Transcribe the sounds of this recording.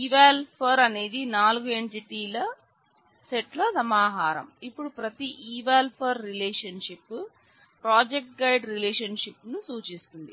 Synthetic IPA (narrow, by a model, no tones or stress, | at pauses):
iːʋaːlpʰɐɾɐne̞ːd̪inaːluɡueɳʈiʈiːlɐ | seʈlɐsɐmaːɦaːɾɐ̰mipːuɽupɾɐt̪iʔiːʋaːlpʰɐɾːilɛːʂɐnʂipː | pɾaːd͡ʒek̚ʈ̚ɡɐjɖɾilɛːʂɐnʂipːnusuːt͡ʃist̪und̪i